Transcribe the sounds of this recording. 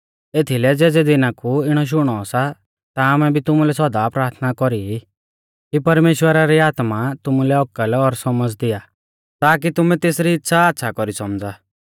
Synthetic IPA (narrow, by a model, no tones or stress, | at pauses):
eːt̪ʰilɛd͡zeːd͡zɛd̪ɪnakuɪɽ̃ɔʃ̬ʊɽ̃ɔːsa | t̪amɛbʱit̪ʊmulɛsɔd̪apɾaːɾt̪ʰnakɔɾii | kipɐɾmeːʃwəɾaɾiaːt̪mat̪ʊmulɛɔkəlɔɾsɔməd͡zd̪ɪja | t̪aːk̬it̪ʊmɛ̃t̪eːsɾiːtːʃʰaːt̪ːʃʰakɔɾisɔmd͡za